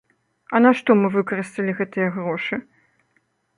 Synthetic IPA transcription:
ɐnaʂt̪ɔmɨvɨkɐɾɨst̪ɐlʲiɣɛt̪ɨjɐɣɾɔʂɨ

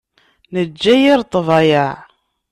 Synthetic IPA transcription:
nəd͡ʒːæjiɾt̪ˤːvɑjaʕ

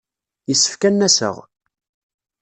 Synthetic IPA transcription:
jisːə̥fkænːæsə̰ʁ

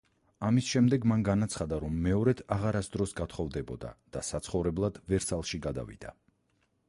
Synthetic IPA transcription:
amisʃɛmd̪ɛɡmanɡanat̪sʰχad̪aɾɔmːɛɔɾɛt̪ʰaʁaɾasd̪ɾɔsɡat̪ʰχɔvd̪ɛbɔd̪a̰d̪̥asat̪sʰχɔvɾɛblˠad̪̥vɛɾsalˠʃiɡad̪a̰vḭd̪̥a̰

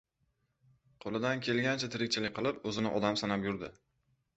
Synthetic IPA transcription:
qʰolˠɪd̪ankʲʰe̞lɡʲant͡ʃʰat̪ʰɪɾɪkʲt͡ʃʰɪlɪk̚ʲqʰɨlˠɪpɵzɪnɪ̰ʔɒd̪amsanapjʊɾd̪ɪ

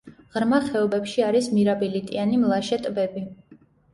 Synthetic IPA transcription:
ʁɾmaχɛɔbɛpʃiaɾismiɾabilit̪ʼianimlˠaʃɛt̪ʼbɛbi

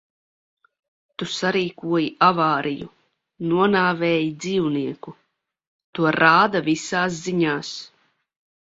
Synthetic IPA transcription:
t̪usaɾiːkuɔjiʔavaːɾijṵ | nuɔnaːvɛːjid̪ziːwniɛku | t̪uɔɾaːd̪avisaːs̬ziɲaːs

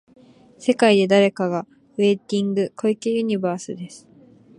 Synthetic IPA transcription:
se̞kaid̪e̞d̪aɾe̞kaɡa | ɯe̞ːt̪ʲĩŋɡɯ̟kʰo̞ikʲeɯɲ̟ibaːsɨd̪e̞sɨ̥

